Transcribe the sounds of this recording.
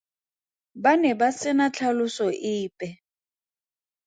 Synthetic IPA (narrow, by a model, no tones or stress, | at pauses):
banɛbasɪnat͡ɬʰalʊsɔʔɪːpʼɛ